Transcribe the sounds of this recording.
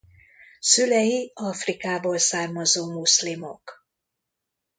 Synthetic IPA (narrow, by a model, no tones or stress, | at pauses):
sylɛjiɒfrikaːboːlsaːrmɒzoːmuslimo̰k